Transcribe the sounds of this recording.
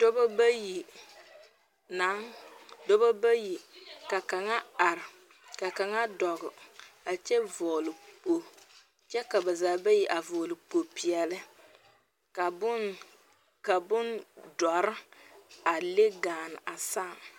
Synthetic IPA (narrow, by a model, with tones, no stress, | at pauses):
do˦ba˦ba˦ji˨ | na˨˦ŋdo˦ba˦ba˦ji˨ka˨ka˨ŋa˦a˨ɾɪ˨ | ka˨ka˨ŋa˦dɔ˨ɡʊ˨a˨t͡ʃɛ˦vɔː˨lɪ˨po˨ | t͡ʃɛ˦ka˨ba˨zaː˨˦ba˦ji˨ʔa˨vɔː˨lɪ˨po˨pi˨ɛ˨lɪ˦ | ka˨bʊ˦n | ka˨bʊ˦ndɔ˨ɾɪ˦a˨le˦ɡaː˨n˨ʔa˨saː˦˨ŋ